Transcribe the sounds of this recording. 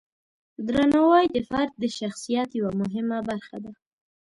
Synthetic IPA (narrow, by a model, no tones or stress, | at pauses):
d̪ɾanawɑjd̪əfaɾt̪̚d̪əʃaxsijat̪jawamʊɦɪmabaɾxa̰d̪a